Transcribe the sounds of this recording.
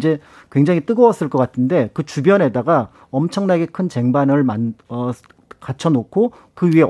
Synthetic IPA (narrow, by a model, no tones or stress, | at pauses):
d͡ʑe̞kwe̞ŋd͡ʑaŋit͈ɯɡʌwʌs͈ɯɭk͈ʌk͈atʰɯnde̞kɯt͡ɕubjʌne̞daɡa | ʌmt͡ɕʰʌŋnaɡe̞kʰɯnt͡ɕe̞ŋbanɯɭmanʌ | kat͡ɕʰʌnokʰo | kɯɥie̞